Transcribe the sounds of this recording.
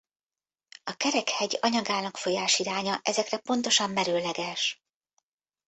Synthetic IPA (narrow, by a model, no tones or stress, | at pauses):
ɒkɛɾɛkhɛɟɒɲɒɡaːnɒkfo̞jaːʃiɾaːɲɒʔɛzɛkrɛpo̞nt̪o̞ʃɒmːɛɾøːlɛɡɛʃ